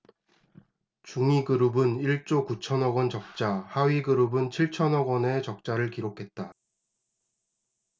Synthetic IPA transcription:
t͡ɕuŋiɡɯɾubɯniɭt͡ɕ͈okut͡ɕʰʌnʌɡwʌnt͡ɕʌk̚t͡ɕ͈ahaɥiɡɯɾubɯnt͡ɕʰiɭt͡ɕʰʌnʌɡwʌne̞t͡ɕʌk̚t͡ɕ͈aɾɯɭkiɾokʰe̞t̚t͈a

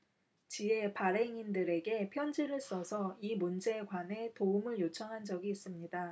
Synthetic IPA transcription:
t͡ɕie̞paɾe̞ŋindɯɾe̞ɡe̞pʰjʌnd͡ʑiɾɯɭs͈ʌsʰʌimund͡ʑe̞ɡwane̞toumɯɭjot͡ɕʰʌŋɦand͡ʑʌɡiːs͈ɯmɲida

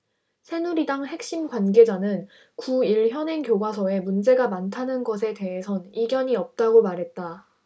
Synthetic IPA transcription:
sʰe̞nuɾidaŋɦe̞k̚ɕ͈imɡwanɡe̞d͡ʑanɯn | kuiɭçjʌnɦe̞ŋkjoɡwasʰʌe̞mund͡ʑe̞ɡamantʰanɯnɡʌsʰe̞te̞ɦe̞sʰʌniɡjʌɲiʌp̚t͈aɡomaɾɦe̞t̚t͈a

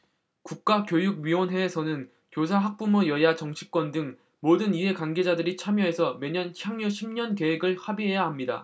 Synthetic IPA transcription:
kuk̚k͈akjojuɡ̚ɥiwʌnɦe̞ːsʰʌnɯn | kjos̬ʰaɦak̚p͈umojʌjat͡ɕʌŋt͡ɕʰi̥k͈wʌndɯŋ | modɯnie̞kanɡe̞d͡ʑadɯɾit͡ɕʰamjʌɦe̞sʰʌme̞ɲʌnçjaŋɲuɕʰimɲʌnke̞ɦe̞ɡɯɭhabiɦe̞jaɦamɲida̰

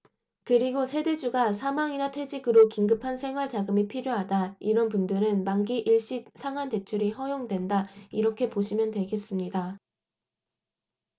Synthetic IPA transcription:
kɯɾiɡosʰe̞de̞d͡ʑuɡasʰamaŋinatʰe̞d͡ʑiɡɯɾokiŋɡɯpʰansʰe̞ŋɦwaɭt͡ɕaɡɯmipʰiɾjoɦadaiɾʌnpundɯɾɯnmaŋɡiʔiɭɕ͈isʰaŋɦante̞t͡ɕʰuɾiɦʌjoŋdwe̞ndaiɾʌkʰe̞poɕʰimjʌntwe̞ɡe̞s͈ɯmɲida

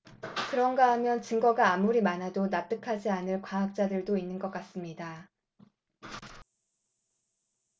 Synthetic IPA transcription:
kɯɾʌnɡaɦamjʌnt͡ɕɯŋɡʌɡaːmuɾimanadonap̚t͈ɯkʰad͡ʑianɯɭkwaɦak̚t͡ɕ͈adɯɭdoinːɯnɡʌk͈as͈ɯmɲida

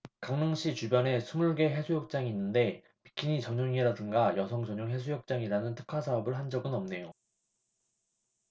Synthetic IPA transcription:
kaŋnɯŋɕʰit͡ɕubjʌne̞sʰumuɭɡe̞ɦe̞sʰujok̚t͡ɕ͈aŋiːnːɯnde̞ | pi̥kʰiɲit͡ɕʌɲoŋiɾadɯnɡajʌsʰʌŋd͡ʑʌɲoŋɦe̞sʰujok̚t͡ɕ͈aŋiɾanɯntʰɯ̥kʰasʰaʌbɯɭɦand͡ʑʌɡɯnʌmne̞jo

